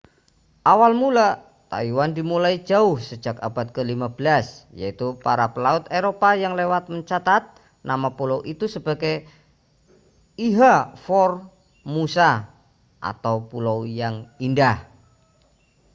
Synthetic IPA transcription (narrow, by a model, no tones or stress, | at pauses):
ʔawalmula | t̪a̰iwand̪imulaid͡ʒaʊhsə̥d͡ʒakab̥at̪̚kəlimabəlasja̰it̪upaɾapəlaʊt̪eɾopajaŋlewat̪̚məɲt͡ʃat̪at̪̚ | namapulowʔit̪usəb̥a̤ɡe | iɦafɔr | musa | ʔa̰t̪aupulowjaŋindah